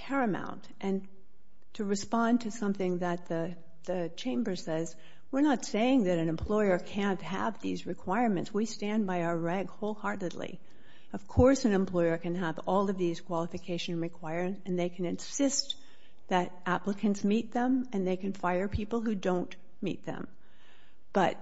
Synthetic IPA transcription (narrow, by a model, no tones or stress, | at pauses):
pʰɛɹɨmã̰ʊ̃ntʔɨ̃n | tʰɨɹɨspɑ̃ntʰɨsʌ̃mθɪ̃ŋðɨt̪̚ðɨ | ðɨt͡ʃʰẽɪ̃mbə˞sɛz | wɪɹnətseɪɪ̃ŋðɨɾɨ̃nɨ̃mpʰl̥ɔɪə˞kʰæ̃nt̚ɦə̰vðḭzɹɨkʰw̥aɪɹmɨ̃ntswistæ̃nbaɪaə˞ɹɛɡhoʊlˠhɑɹɾɨdˡlḭ | ʌv̥kʰɔɹsɨ̃nɨ̃mpʰl̥ɔɪə˞kɨ̃nəvɔlˠʌvðiz̥kʰw̥ɑlˠəfɨkʰeɪʃɨ̃nɹɨkʰw̥aɪəɹzɨ̃nðeɪkʰɨ̃nɨ̃nsɪst̪ | ðɨɾʔæpləkʰɨ̃ntsmit̪̚ðə̃mɨ̃nðeɪkɨ̃nfaɪə˞pʰipl̩ˠhʉdõʊ̃n | mḭt̪̚ðɨ̰̃m | b̥ʌt̚